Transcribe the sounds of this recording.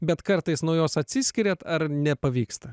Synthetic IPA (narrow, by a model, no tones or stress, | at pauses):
bʲɛt̪kɐɾt̪ɐɪsnoːjoːsɐt̪ʲsʲɪsʲkʲɪɾʲɛt̪ɐɾnʲɛpɐʋʲiːkst̪ɐ